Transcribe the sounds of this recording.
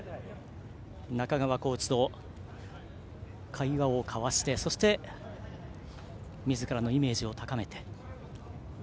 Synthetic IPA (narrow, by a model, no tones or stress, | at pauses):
nakaɡaβako̞ːt͡ɕi̥d̪o̞ | kʰaiβaokʰaβaɕi̥t̪e̞so̞ɕi̥t̪e̞ | mʲizɨkaɾano̞ime̞ːʑio̞t̪akame̞t̪e